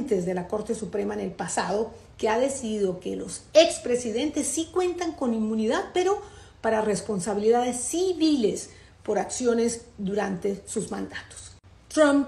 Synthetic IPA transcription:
nt̪e̞zðe̞lako̞ɾt̪esupɾe̞maene̞lpasaðo̞ | ke̞aðe̞siðiðo̞ke̞lo̞sekspɾe̞siðe̞nt̪e̞sːikwe̞nt̪aŋko̞nimːuniðaðpe̞ɾo̞ | paɾare̞spo̞nsaβiliðaðe̞sːiβile̞s | po̞ɾaksjo̞ne̞sd̪uɾant̪e̞suzmã̰nd̪at̪o̥s | t̪ɾam

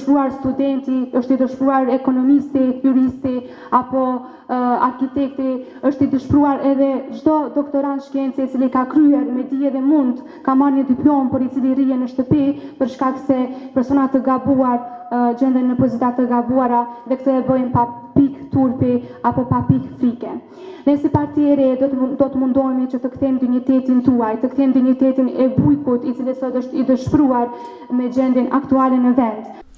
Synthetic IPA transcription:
ʃpɾuaɾst̪ud̪ɛnt̪iəʃt̪id̪əʃpɾuaɾɛkɔnɔmist̪ijuɾist̪i | apɔ | a̰ɾkit̪ɛk̚t̪i | əʃt̪id̪əʃpɾuaɾɛðɛd͡ʒd̪ɔd̪ɔkt̪ɔɾanʃkɛnt͡sɛit͡silikakɾyɛɾmɛd̪iɛðɛmund̪ | kamaɾɲəd̪iplɔmpɔɾit͡silirijɛnəʃt̪əpipəɾʃkaksɛpɛɾsɔnat̪əɡabuaɾd͡ʑɛnd̪ɛnːəpɔzit̪at̪əɡabuaɾaðɛkt̪əɛbəjnpapikt̪uɾpiapɔpapikfɾikɛ | nɛsipaɾt̪iɛɾɛd̪d̪ɔt̪əmund̪ɔjmɛt͡ɕət̪əkθɛmd̪iɲit̪ɛt̪int̪uajt̪əkθɛmd̪iɲit̪ɛt̪inɛbujkut̪it͡silisɔt̪əʃt̪id̪əʃpɾuaɾ | mɛd͡ʑɛnd̪ɛna̰kt̪ualɛnɛvɛnd̪

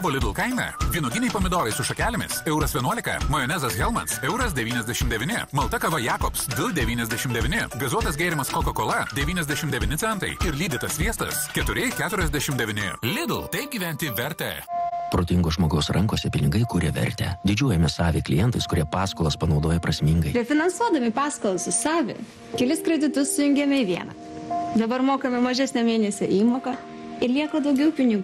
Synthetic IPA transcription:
ʋoːlʲɪd̪l̩ˠkɐɪmʲɛ̰ʋʲiːnʊɡʲɪnʲɛɪpoːmʲɪd̪oːɾɐɪsʊʃɐkʲæːlʲɪmʲɪ̰sɛʊɾɐsʋʲiɛnuɔlʲɪkɐ̰mɐjɔnʲæːzɐsɣʲɛlˠmɐ̰nsɛʊɾɐsd̪ʲɛʋʲiːnʲɛzʲd̪ʲæʃʲɪmd̪ʲɛʋʲɪnʲɪ̰mɐlˠt̪ɐkɐʋɐjɑːkɔpsʋʲɪlˠd̪ʲɛʋʲiːnʲɛzʲd̪ʲæʃʲɪmd̪ʲɛʋʲɪnʲɪɡɐzuɔt̪ɐs̬ɡʲeːɾʲɪmɐskokokoːlˠɐd̪ʲɛʋʲiːnʲɛzʲd̪ʲæʃʲɪmd̪ʲɛʋʲɪnʲɪt̪sʲɛnt̪ɐ̰ɪɪɾlʲiːd̪ʲɪt̪ɐsʋʲiɛst̪ɐ̰skʲɛt̪ʊɾʲɪkʲæːt̪ʊɾʲɛzʲd̪ʲæʃʲɪmd̪ʲɛʋʲɪnʲɪ̰lʲɪd̪l̩ˠt̪ɐɪp̚ɡʲiːʋʲɛnʲt̪ʲiʋʲɛɾʲt̪ʲɛ̰pɾoːt̪ʲɪŋɡoːʒmoːɡɐʊsɾʔɐŋkoːsʲɛpʲɪnʲɪɡɐɪkuːɾʲɛʋʲɛ̰ɾʲt̪ʲɛ̰d̪ʲɪd͡ʒʲuɔjɛmʲɪsɑːʋʲeklʲɪ̰jɛnt̪ɐɪskʊɾʲiɛpɑːskoːlˠɐspɐnɒʊd̪oːjɛpɾɐsʲmʲiŋɡɐɪɾʲɛfʲɪnɐnsuɔd̪ɐmʲɪpɑːskoːlˠɐsɪsɑːʋʲɪ̰ | kʲɛlʲɪskɾʲɛd̪ʲɪt̪ʊssʊjʊŋʲɡʲɛmʲɛiʋʲiɛnɑ̰ | d̪ɐbɐɾmoːkɐmʲɛmɐʒʲæsʲnʲɛmʲeːnʲɛsʲɛʔiːmoːkɐ | ɪɾlʲiɛkoːd̪ɐʊɡʲɛʊpʲɪnʲɪɡu

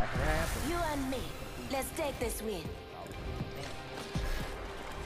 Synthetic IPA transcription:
juə̃nmi | lɛtstek̚ðɪswɪn

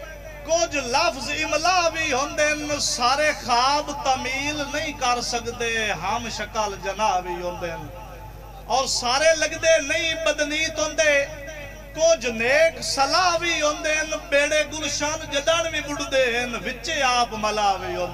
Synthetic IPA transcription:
kʊd͡ʒləpʰzɪməlaːʋiːɦõːnd̪eːɦənsaːɾeːxʰaːbt̪əmiːlnəĩːkəɾsəkd̪eːɦəmʃəkəld͡ʒənaːʋiːɦõːnd̪eːɦən | ɔːɾsaːɾeːləɡd̪eːnəĩːbəd̪niːt̪õːnd̪eː | kʊd͡ʒneːksəlaːʋiːɦõːnd̪eːɦənbeːɽeːɡʊlʃand͡ʒəd̪ãːnʋiːbʊʈd̪eːɦənʋɪt͡ʃeːaːpməlaːʋiːɦõːnd̪eː

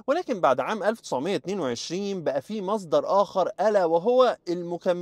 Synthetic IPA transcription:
welæːkɪmbaʕd̪ʕaːmʔælft̪ɪ̥sʕmejːæt̪neːnweʕeʃɾiːnbæʔæfiːmɑs̬ˤd̪ɑɾˤʔæːxɑɾˤʔælæwɪɦowːæelmʊkæmː

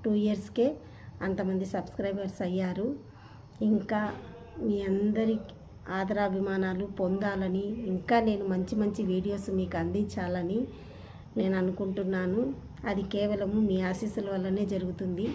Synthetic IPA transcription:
ʈuːiɐɾske̞ː | ɐnt̪ɐmɐnd̪isɐbskɾɐjbɐɾsɐjːaːɾu | iŋkaː | miːɐnd̪ɐɾi | aːd̪ɐɾaːɐbʱimaːnaːlupond̪aːlɐniːŋkaːne̞ːnumɐɲt͡ʃimɐɲt͡ʃiʋiːɽijo̞ːsmiːkuɐnd̪iɲt͡ʃaːlɐni | ne̞ːnuɐnukuɳʈunːaːnu | ɐd̪ikɛːʋɐlɐmumiːaːsiːsulɐʋɐlːɐne̞ːd͡ʒɐɾuɡut̪und̪i

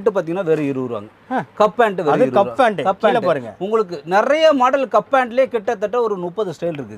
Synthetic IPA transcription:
ʈːɯpaːɾt̪iŋɡɐnːaːʋɛɾɯɪɾɯʋɾɯʋa̰ːŋɡɐ | kɐpːaːɳʈɯʋɛɐðɯɾɯkɐpːaːɳʈɯkɐpːaːɳpaːɾɯŋɡɐʊŋɡɐɭɯk̬ːɯnɪrɐjɐmaːɽɐlkɐpːaːɳʈɪljeːkɪʈːɐt̪ːɐʈːɐɔɾɯnʊpːɐðɯsʈɐɪlɪɾɯkːɯð

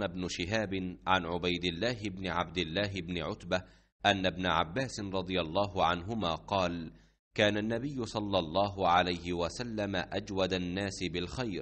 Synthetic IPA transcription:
nabnʊʃɪɦaːbɪnʕa̰nʕʊbajd̪ɪlːaːɦɪbnɪʕab̚d̪ɪlːaːɦɪbnɪʕʊt̪ba | ʔanːabnaʕa̰bːaːsɪnɾˤɑd̪ˤɨjɑlˤːɑːɦʊʕanɦʊmaːqɑːl | kaːnanːabɪjːʊsˤɑlːɑlˤːɑːɦʊʕalajhɪwasalːamaʔad͡ʒwad̪anːaːsɪbɪlxajɾ

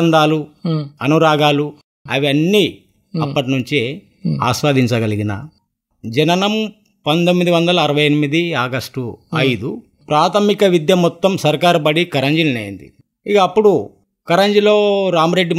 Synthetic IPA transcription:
nd̪aːluɐnuɾaːɡaːlu | ɐʋiɐnːi | ɐpːɐʈ̬inuɲt͡ʃe | a̰ːʃʋaːd̪iɲt͡ʃɐɡɐliɡinɐ̰ | d͡ʒɐnɐnɐm | pɐnd̪omːid̪iʋɐnd̪ɐlɐːɾɐʋɐjɐnimid̪iaːɡɐsʈuɐjd̪u | pɾaːt̪ʰɐmikɐʋid̪jɐmːɔt̪ːɐmsɐɾkaːɾupɐɽikɐɾɐɲd͡ʒininɐːjḭnd̪ḭ | ikɐːpːuɽu | kɐɾɐɲd͡ʒilo̞ːɾaːmɾe̞ɖːi

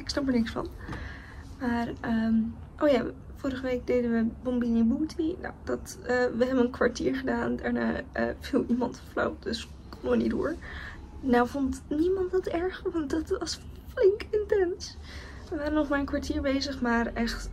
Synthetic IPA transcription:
ɪksnɑpəɹnɪksfɑ̰n | maːrəm | ʔowjaː | vʊːɾəχəʋejk̚dejdənʋəbɔmbinibuːtʰino̰wdɑtəʋəɦɛbənənkʋaɹtiːɹχədaːndɛɹna̰ːə̰vilˠʔimɑntflo̰wp̚dɵs | kɔməʋənidʊ̰ːɹ | nawvontnimɑntdɑtɛɹχʋɑntdɑtʋɑsflɪŋkɪntɛns | ʋəʋaːɾənɔχmaːɹənkʋaɹtiːɹbejzəχmaːrʔɛχt

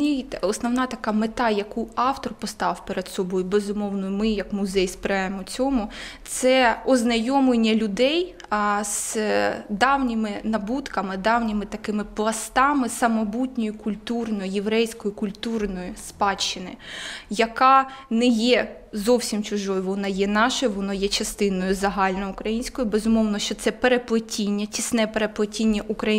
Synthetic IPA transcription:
nʲit̪ɛɔsnɔwnɑt̪ɐkɑmet̪ɑjɐkuɑwt̪rpɔst̪ɑwpeɾed̪sɔbɔjʊbezʊmɔwnɔjʊmɪjɐkmʊzɛjspɾɑjemɔt͡sʲɔmʊt̪sɛɔznɐjɔmlenʲːɐlʲʊd̪ɛj | z̥ | d̪ɑwnʲɪmɪnɐbut̪kɐmɪd̪ɑwnʲɪmɪt̪ɐkɪmɪplˠɐst̪ɑmɪsɐmɔbutʲnʲɔjʊkʊlʲt̪urnɔjʊjeʋɾɛjsʲkɔjʊkʊlʲt̪urnɔjʊspɑt͡ʃːɪnɪ̰jɐkɑnɛjɛ | zɔwsʲimt͡ʃʊʒɔjʊʋɔnɑjɛnɑʃɐʋɔnɔjɛt͡ʃɐst̪ɪnɔjʊzɐɦɑlʲnɔʊkɾɐjinʲsʲkɔjʊbezʊmɔwnɔʃt͡ʃɔt̪sɛpeɾeplˠɐtʲinʲːɐtʲisnɛpeɾeplˠɐtʲinʲːɐʔukɾɐ

